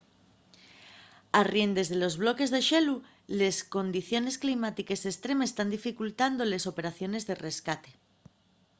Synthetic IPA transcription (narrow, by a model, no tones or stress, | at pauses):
arje̞nd̪e̞zðe̞lo̞zβlo̞ke̞zðe̞ʃe̞lu | le̞sko̞nd̪iθjo̞ne̞sklimat̪ike̞se̞st̪ɾe̞mest̪and̪ifikult̪and̪o̞le̞so̞pe̞ɾaθjo̞ne̞zðe̞re̞skat̪e̞̥